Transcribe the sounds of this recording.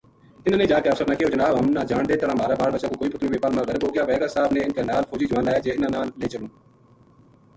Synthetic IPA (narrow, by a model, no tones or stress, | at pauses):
ɪñːnẽːd͡ʒaːkeːəfsəɾnəkʰeːot͡ʃənaːɦəmnaːd͡ʒaːɳd̪eːt̪əɽãːmaːɾaːbaːɽbəʃãkõːkoːiːpət̪ʰniːʋeːpaːɾmãːɡəɾkoːkjaːʋɛːɡaːsaːbnẽːɪnkaːnaːlfʰoːd͡ʒiːd͡ʒəʋaːnlaːjaːd͡ʒeːɪnãːnãːleːt͡ʃəlõː